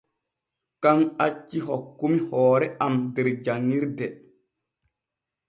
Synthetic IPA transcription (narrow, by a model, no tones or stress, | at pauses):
kaŋat͡ʃːiɦɔkːumihɔːɾɛʔamdɛɾd͡ʒaŋːiɾdɛ